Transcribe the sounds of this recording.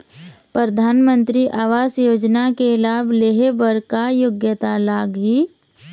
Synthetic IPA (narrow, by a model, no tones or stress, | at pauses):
pɾɾəd̪ʱaːnmə̃nt̪ɾiʔaːʋaːsjoːd͡ʒnakelaːbleɦebəɾkajoɡjət̪alaːɡɦi